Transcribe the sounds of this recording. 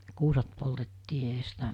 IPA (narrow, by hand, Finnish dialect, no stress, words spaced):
kuːsɑt poltetːiː eɦæ sitæ